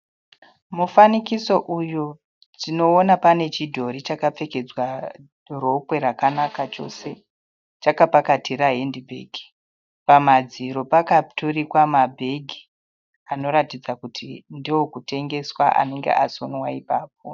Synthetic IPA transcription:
mufanikiso̞ʔuju | tino̞ːnapane̞t͡ʃidʱo̞ɾit͡ʃakap͡fe̞ke̞d͡zwadoro̞kwe̞ɾakanakat͡ʃo̞̰se̞ | t͡ʃakapakatiɾaɦendibʱeːɡʱi̥ | pamad͡ziɾo̞pakaturikwamabʱe̞ɡʱi | ano̞ɾatid͡zakutʰindiwokute̞ŋɡe̞swaʔa̰ne̞ŋɡḛʔasonwaipaːp̚o

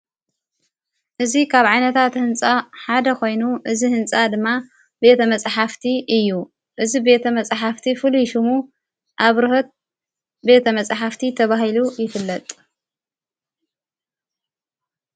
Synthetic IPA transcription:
ʔɨzikʰaβʕajnɐt̪ʰat̪hɨnt͡sʼaħad̪ɐkʰo̞jnuʔɨzihɨnt͡sʼad̪ɨmːa | be̞t̪ʰɐmɐt͡sʼħaft̪ʰiʔɨjːu | ʔɨzibe̞t̪ʰɐmɐt͡sʼħaft̪ʰifɨlujʃɨmu | ʔaβɾɨhot̪̚ | be̞t̪ʰɐmɐt͡sʼħaft̪ʰit̪ʰɐβaɦilujɪfɨlːɐt̪ʼ

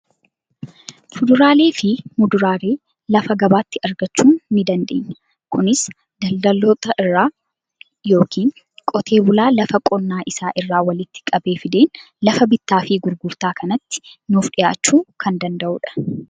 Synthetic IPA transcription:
fʊd̪ʊɾaːle̞ːfɪmʊd̪ʊɾaːɾe̞ː | lɐfɐɡɐbaːt̪ːɪɐɾɡɐt͡ʃːuːnːɪd̪ɐnd̪ḛːɲːɐ̥ | kʊnɪs | d̪ɐld̪ɐloːt̪ʼɐɪrːaː | jo̞ːkʰiːn | kʼɔt̪ʰe̞ːbʊlaːlɐfɐkʼɔnːaːʔɪsaːʔɪrːaːwɐlɪt̪ːɪ̥kʼɐbe̞ːfɪd̪e̞ːn | lɐfɐbɪt̪ːaːfɪɡʊɾɡʊɾt̪aːkɐnɐt̪ːɪ̥nuːfᶑɪja̰ːt͡ʃːuːkʰɐnd̪ɐnd̪ɐʔuːᶑɐ̥

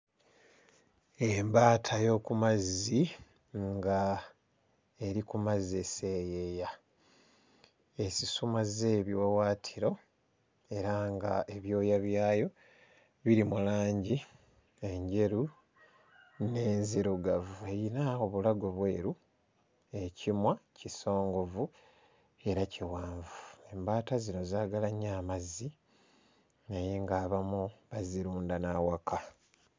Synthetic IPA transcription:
embaːtʰajo̞ːkumazi | ŋɡa | e̞ɾikumazese̞ːje̞ja | e̞sisumaze̞ːβjowaːtʰiɾo̞ | e̞ɾaŋɡa̰e̞βjo̞ːjaβjaːjo̞ | βiɾimulaːɲɟi | e̞ɲɟe̞ɾu | ne̞ːnziɾuɡavuejinao̞βulaɡo̞βwe̞ːɾu | e̞cimwaciso̞ːŋɡo̞vu | e̞ɾaciwaːɱvue̞mbaːtazino̞zaːɡalaɲːaːmazi | naje̞ŋɡaːβamuβaziɾuːndanawakʰa

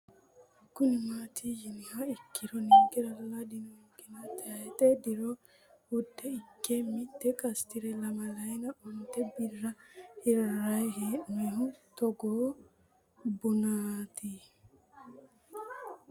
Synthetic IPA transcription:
akːunimat̪ʰijinihaikːiɾɔniɡɛɾalːadinoɡinat̪ʰat̪ɛdiɾɔ | udːɛikːɛmit̪ːɛkast̪iɾɛlamalajnaʔɔnt̪ɛbirahiɾaɾajɦemehut̪ɔɡɔ | bunat̪i

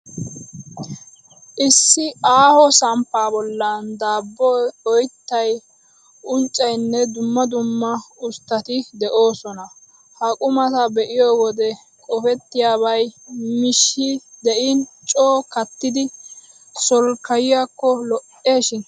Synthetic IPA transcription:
ʔɪsːɪaːhɔsɐmpːaːbɔlːand̪aːbːɔɔjt̪ːɐj | ʔʊnt͡ʃʼːɐjnːɛd̪ʊmːɐd̪ʊmːɐʊst̪ːɐt̪ɪd̪ɛʔo̞ːsɔnɐ | hɐkʼʊmɐt̪ɐbɛʔɪjɔwɔd̪ɛ | kʼɔfɛt̪ːɪjaːβɐjmɪʃːɪd̪ɛʔɪnt͡ʃʼoːkɐt̪ːɪd̪ɪ | sɔlkɐjɪjakːɔlɔʔːe̞ːʃɪn

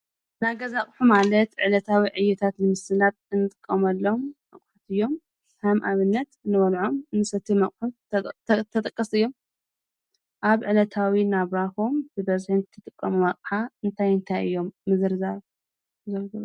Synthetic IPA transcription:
naɡɐzaχʼħumalɐt̪ʕɨlɐt̪ʰawiʕɨjːɛt̪ʰat̪nɨmɨsɨlat̪̚ɨnːɨt̪ʼɨkʼːɐmɐlːomːɐkʼħut̪ɨjːo̞m | hʰamʔaβɨnːɐt̪nɨwɐlʕo̞mɨnːɨsɐt̪ʰimɐkʼħu | t̪ʰːɐt̪ʼɐkʼːɐsɨjːo̞m | ʔaβʕɨlɐt̪ʰawinaβɾaxombɨbɐzħɨnt̪ʰːɐt̪ʼɨkʼːɐmumɐqʼħaɨnt̪ʰajɨnt̪ʰajɨ̰jːo̞mːɨzɨɾzaβ | zɐβzɐ

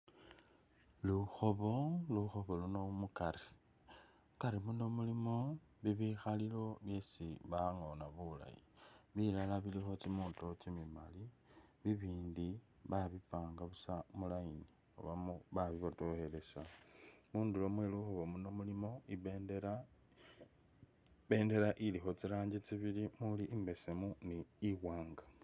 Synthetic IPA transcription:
luxo̞βo̞luxo̞βo̞luno̞mukaɾi | kaɾimuno̞mulimo̞ | βiβixalilo̞βjesiβaŋo̞naβula̰jḭβilalaβilixo̞t͡simuːnto̞t͡ʃimima̰li | βiβiːndi | βaβipaːŋɡaβusamulaini | o̰βamoβaβiβato̞xe̞le̞samuːndulomweluxuβamunomulimo̞iβendeɾa | βe̞ːnde̞ɾaʔilixo̞t͡siɾaːɲd͡ʒit͡siβilimuliʔimbe̞se̞muniːwaːŋɡa

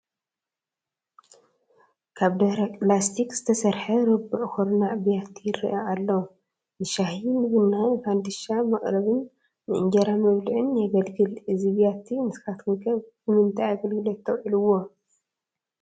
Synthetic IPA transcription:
kʰaβd̪ɐhɾekʼlast̪ʰikz̥ɨt̪ʰɐsɐɾħɐɾɐbuʕkʰoɾonaβijat̪ʰːjɪɾḭʔaʔalːɐw | nɨʃahinɨβɨnːanfand̪ɨʃamɐχʼɾɐβɨnː | ɨʔɨɲd͡ʒɐɾamɐβlɨʕɨnjaɡɐlɡɨlʔɨziβijat̪ʰːinɨskʰat̪wɨkʰɐβ | ɨmɨnt̪ʰajaɡɐlɡɨlot̪ʰːɐwʕilɨwːo

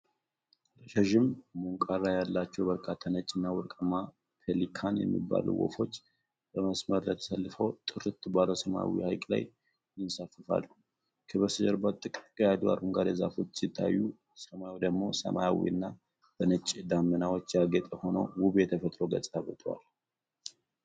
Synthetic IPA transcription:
ɾəʃəʒɪmːuŋkʼaɾajalːat͡ʃːɛwbəɾkʼat̪ʰanət͡ʃʼːɪnːawɔɾkʼəmːa | pʰelikʰanjɛ̰mːḭbːa̰lṵwo̰fo̞t͡ʃː | bəməsməɾlət̪ʰə̥səlːɨfəwt̪ʼɨɾɨt̪ɨbaləwsəma̰ja̰wḭha̰jkʼla̰j | jɪnsafɨfa̰lːu | kʰəβəsəd͡ʒəɾbat̪ʼːɨk̪ʼkʼːəjad̪ua̰ɾhunɡaɾəzafut͡ʃːsit̪ʰːa̰jːu | səmajwid̪əɡmo̞sə̰mʔajawḭɨnːa | b̥ənɨt͡ʃʼːid̪amːənawot͡ʃːjaɡət̪ʼəho̞nə̰wwuβjɛt̪ʰəfət̪ʼɾo̞ɡə̰t͡sʼt̪ʰaβət̪ʼwa̰l

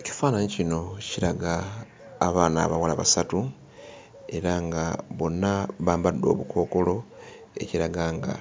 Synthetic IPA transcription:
eci̥faːnaɲicino̞ciɾaɡaː | βaːna̰βawalaβasatu | e̞ɾaŋɡaβo̞nːaβaːmbad̪ːo̞ːβukʰo̞ːko̞lo̞ | e̞̰ciɾaɡaŋɡa̰

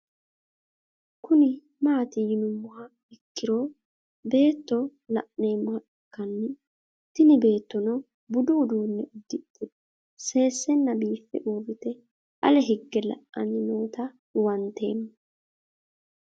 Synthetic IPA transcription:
kʊnɪ | maːt̪ɪjɪnʊmːʊhɐ | ɪkːɪɾoː | be̞ːt̪ːɔlɐ̰ʔne̞ːmːʊhɐʔɪkːɐnːɪ | t̪ːɪnɪbe̞ːt̪ːɔnɔ | bʊd̪uːd̪uːnːɛʊd̪ːɪtːɪ | se̞ːsːɛnːɐbiːfːɛ̰ʔuːrːɪt̪ɛ | ʔɐ̰lɛɦɪɡːɛlɐ̰ʔːɐ̰nɪnoːt̪ɐ | wɐnt̪e̞̰ːmː

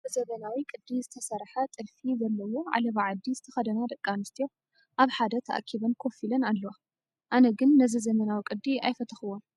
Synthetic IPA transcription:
bɨzɐmɐnawikʼɨd̪ːizɨt̪ʰɐsɐɾħɐt̪ʼɨlfizɐlːɐwoʕa̰lɐβaʕad̪ːizɨt̪ʰɐxɐd̪ɐnad̪ɐkʼːanɨst̪ʰijo̞ | ʔaβħad̪ɐt̪ʰɐʔa̰kʰiβɐnkʰo̞filɐnalːɐwa | ʔanɐɡɨnːɐzizɐmɐnawikʼɨd̪ːiajfɐt̪ʰɐxɨwon

